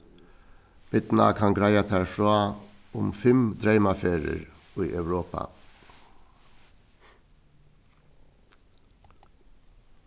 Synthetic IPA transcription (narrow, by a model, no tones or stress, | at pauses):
b̥ɪt̪nɑ̰kʰɑŋɡɾæɪɑt̪ʰæːfɹoːʊmfɛmd̪ɾœɪmɑfeːɾə̰ɾ | iːʔœʉɾoːpɑ̰